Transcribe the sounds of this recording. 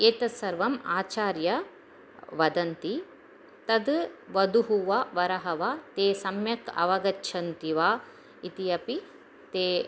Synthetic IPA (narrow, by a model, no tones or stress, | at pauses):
eːt̪ɐsɐɾʋɐmaːt͡ʃaːɾjɐ | ʋɐd̪ɐnt̪i | t̪ɐd̪ʋɐd̪uɦuʋɐʋɐɾɐɦɐʋat̪eːsɐmjɐkɐ̰ʋɐɡɐtːʃʰɐnt̪iʋaː | it̪ijɐpi | t̪eː